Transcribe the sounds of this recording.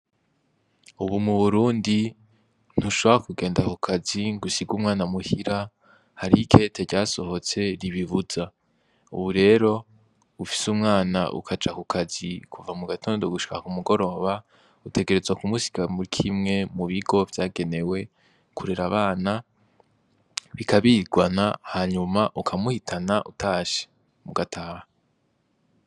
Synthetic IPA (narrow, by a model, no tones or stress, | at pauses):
uβumuβuɾuːndi | n̥huʃoβoɾakuɡe̞ːndakukʰaziŋɡusiɡumŋaːnamuhiɾa | haɾikʰe̞ːtʰe̞ɾɟaːso̞ho̞t͡se̞ɾiβivuza | ṵβuɾe̞ːɾo̞ | ufi̥sumŋaːna̰ʔṵkʰad͡ʒakukʰazikʰuvamuɡatʰo̞ːndo̞ɡuʃi̥kakumuɡo̞ɾo̞ːβa | utʰe̞ɡe̞ɾe̞zwakumusi̥kamuɾikʰimŋe̞muβiɡo̞vjaːɡe̞ne̞we̞ | kʰuɾeɾaβaːna | βikʰaβiɡwanahaɲumaʔukʰamuhitʰanaʔutʰaːʃe̥ | muɡatʰaːha